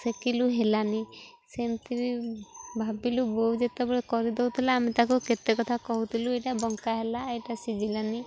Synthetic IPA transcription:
sekiluɦelani | semt̪ʰibibʱabilubowd͡ʒet̪abɔɽekɔɾid̪ɔwt̪ʰilaːmit̪akuket̪ekɔt̪ʰakɔɦut̪ʰiluejʈabɔŋkaɦelaejʈasid͡ʒilani

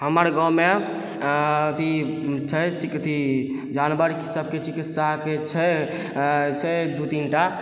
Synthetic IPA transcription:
ɦəməɾɡə̃wme | ət̪ʰit͡ʃʰət͡ʃikət̪ʰi | d͡ʒanbəɾkisəb̚ket͡ʃikit̪saket͡ʃʰə | t͡ʃʰəd̪ut̪inʈa

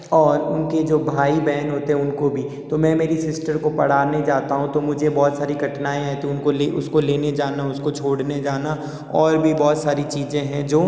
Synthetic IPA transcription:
ɔːɾʊnked͡ʒoːbʱaːibɛːənɦoːt̪eɦɛ̃ʊnkobʱit̪omɛ̃ːmeːɾisɪsʈəɾkopɐɽ̤aːned͡ʒaːt̪aɦũt̪omʊd͡ʒʱebɔːt̪saːɾiɡʱɐʈnaːẽɦɛ̃t̪oʊnkoleʔʊskoleːned͡ʒaːnaʊskot͡ʃʰoːɽned͡ʒaːna | ɔːɾbʱibɔːt̪saːɾit͡ʃiːzẽɦɛ̃d͡ʒoː

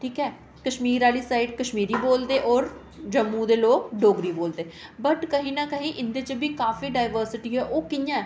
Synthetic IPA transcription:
ʈʰiːkɛː | kəʃmiːɾaːliːsaːiɖkəʃmiːɾiːboːld̪eːʔɔːɾ | d͡ʒəmːũːd̪eːloːkɖoːɡɾiːboːld̪eːbəʈkəɦĩːnaːkəɦĩːʔɪnd̪eːt͡ʃəbiːkaːfiːɖaːɪʋəɾsɪʈiːɦɛːʔoːkɪjãːɛː

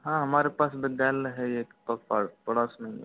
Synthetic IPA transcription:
ɦãɦɐmaːɾepaːsbɪd̪jaːlɦɛeːkt̪ɔk̚paɽpəɽasmḛ̃

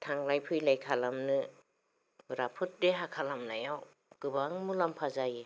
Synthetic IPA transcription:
tʰaŋlajpʰɯjlajkʰalamnɯ | ɾapʰɯt̚deɦakʰalamlajaw | kɯbaŋmulampʰazaje

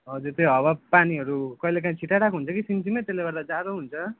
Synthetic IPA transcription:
ɦʌd͡zuɾt̪joɦʌwapaniɦʌɾukʌilekaĩt͡sʰiʈaɽakʰuɦunt͡sʰʌkisint͡simejt̪elːebʌɾd̪ad͡zad̪oɦunt͡sʰʌ

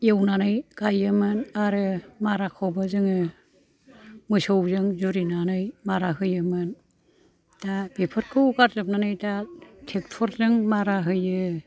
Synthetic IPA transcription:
jewnanɯjɡ̥ajɯmɯnaɾɯmaɾakʰɔwbazɯŋɯ | mɯsɯwzɯŋzuɾinanɯjmaɾaɦɯjɯmɯn | tabipʰɯɾ̚kʰɯwkaɾzɯp̚nanɯjtatʰek̚pʰɔɾzɯŋmaɾaɦɯjɯ

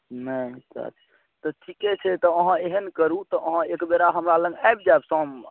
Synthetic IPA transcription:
nəsa̰ɾ | t̪ɔʈʰikɛt͡ʃʰɛt̪ɔəɦãeɦənkəɾut̪ɔʔəɦãekbeɾaɦəmɾalə̃ŋɡajb̚d͡ʒaebsɔ̃m

